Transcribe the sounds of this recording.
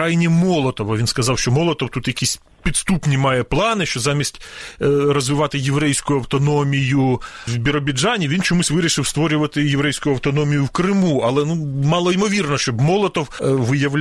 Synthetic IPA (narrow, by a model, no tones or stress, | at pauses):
ajnʲimɔlˠɔt̪ɔʋɐʋʲinskɐzɑwʃt͡ʃɔmɔlˠɔt̪ɔwt̪ut̪jɐkʲisʲ | pʲit̪st̪upnʲimɑjɛplˠɑnɪʃt͡ʃɔzɑmʲisʲtʲɾɔzʋɪʋɑt̪ɪjeʋɾɛjsʲkʊjʊɐwt̪ɔnɔmʲijʊwbʲɪɾɔbʲɪd͡ʒɑnʲiʋʲint͡ʃɔmusʲʋɪɾʲiʃɪwst̪ʋɔɾʲʊʋɐt̪ɪjeʋɾɛjsʲkʊjʊɐwt̪ɔnɔmʲijʊwkɾɪmuɐlˠɛnumɑlˠɔimɔʋʲirnɔʃt͡ʃɔbmɔlˠɔt̪ɔwʋɪjɐwlʲ